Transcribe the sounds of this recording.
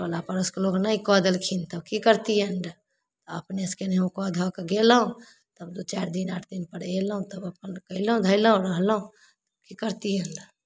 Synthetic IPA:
əlapəɾʊskeloɡnaikɔd̪əlkʰint̪əbkikəɾt̪ijənɖ | t̪ɔə̰pneskeneũkɔd̪ʱɔkeɡeləɦũ | t̪əbd̪ot͡ʃaːɾd̪inaːʈʰd̪inpəɽeləɦũt̪əbəpənkəiləɦũd̪ʱəiləɦũɾəɦləɦũ | t̪əbkikəɾt̪ijənɖə

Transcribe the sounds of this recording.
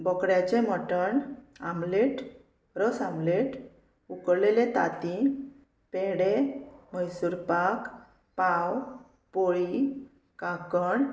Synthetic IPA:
bəkɽjat͡ɕẽmɔʈəɳa̰mleʈ | ɾəsãmleʈ | ukɾlelet̪a̰t̪ĩ | peɽeməjsuɾpak | paw | poɭi | kakəɳ

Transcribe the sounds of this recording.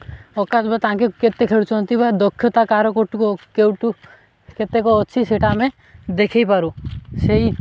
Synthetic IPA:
ɔkatbat̪ãkeket̪ːekʰeɽut͡ʃʰɔnt̪ibad̪ɔkʰːjɔt̪akaɾɔkoʈukokewʈu | ket̪ːekɔɦɔːt͡ʃʰiseʈamẽ | d̪ekʰejpaɾusei

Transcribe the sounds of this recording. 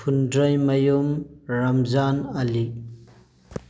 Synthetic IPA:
pʰundɾɐjmɐjumɾɐmzanɐli

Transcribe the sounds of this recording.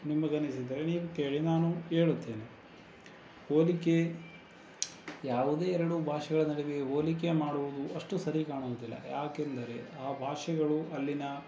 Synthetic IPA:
nimːɐɡɐnisid̪ɐɾe̞niːʋuke̞ːɭinaːnue̞ːɭut̪ːe̞ːne | oːlike̞ | jaːʋud̪e̞ːɛɾɐɽubʱaːʂɛɡɐɭɐnɐɽeɡe̞ɦoːlikemaːɽuʋud̪uʔɐʂʈusɐɾikaːɳuʋud̪ilːɐ̰jaːkend̪ɐɾe̞aːbʱaːʂɐɡɐɭuɐlːinɐ

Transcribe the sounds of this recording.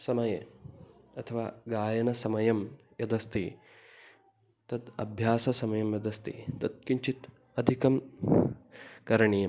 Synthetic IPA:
sɐmɐjḛ | ɐt̪ʰɐʋaːɡaːjɐnɐsɐmɐjɐm | jɐd̪ɐst̪i | t̪ɐd̪ɐ̰bʱjaːsɐsɐmɐjɐmjɐd̪ɐst̪ḭt̪ɐt̪̚kiɲt͡ʃit̪ | ɐd̪ʱikɐm | kɐɾɐɳijɐm

